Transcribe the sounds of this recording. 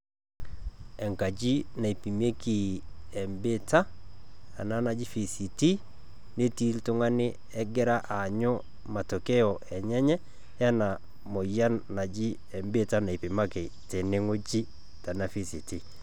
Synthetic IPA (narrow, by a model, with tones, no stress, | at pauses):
ɛ˨ŋka˨d͡ʒi˦na˨i˨pi˨me˦ki˨ɛ˨mbe˦ta˦a˨na˦na˨d͡ʒi˦fi˨si˨ti˦ | ne˦ti˦ltʊ˦ŋa˦nɪ˦ | ɛ˦ɡɛ˦ɾa˦ʔa˨ɲo˦ | ma˨to˨kɛ˦ɔ˨ɛ˨ɲɛ˦ɲɛ˦ | ja˦na˨ | mo˨ja˦nna˨d͡ʒi˦ | ɛ˨mbe˦ta˦na˨i˨pɪ˨ma˦kɪ˨ | te˨nɪ˦ŋo˦d͡ʒi˦ | ta˨na˦fi˨si˨ti˦